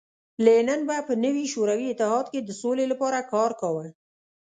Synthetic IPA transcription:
lenənbapənəwiʃoɾawiɪt̪ːɪɦɑd̪ked̪əsolelapɑɾakɑɾkawə

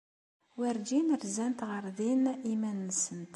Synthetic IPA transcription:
wæɾd͡ʒinəɾzænt̪ʁəɾˤðinimænːəsənt̪

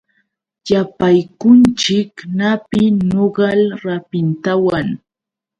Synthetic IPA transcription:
japajkʊnt͡ʃɪknapɪnoɢɑlɾapɪnt̪awaŋ

